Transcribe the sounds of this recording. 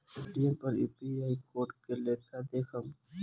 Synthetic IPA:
eɖiə̃mpɐɾṵːpiaːikoːɾʈkeleːkad̪eːkʰəm

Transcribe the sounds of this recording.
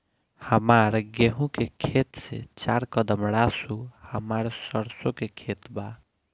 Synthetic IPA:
həmaɾɡeɦũkekʰet̪sḛt͡ʃaɾkəd̪əmɽasuhəmaɾsəɾsokekʰet̪ba

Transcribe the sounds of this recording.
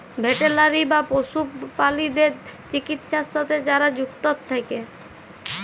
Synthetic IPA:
bʱeʈelaɾibaposupalid̪eɾt͡ʃikit̪ʃasat̪ʰed͡ʒaɾad͡ʒukt̪ɔt̪ʰːajke

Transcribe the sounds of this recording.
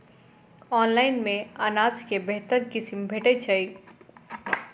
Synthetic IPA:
ɔːnlaːɪnmẽaːnaːzkebeɦt̪əɾkɪsmbʱeʈet͡ʃʰəi

